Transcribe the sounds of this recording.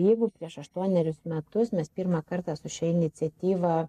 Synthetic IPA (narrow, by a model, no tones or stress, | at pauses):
jɛɪɡʊpʲɾʲiɛʃɐʃt̪uɔnʲɛɾʲʊsmʲɛt̪ʊsmʲɛspʲiːrmɑːkɐrt̪ɑːsʊʃʲɛɪnʲɪt̪sʲɛt̪ʲiːʋɐ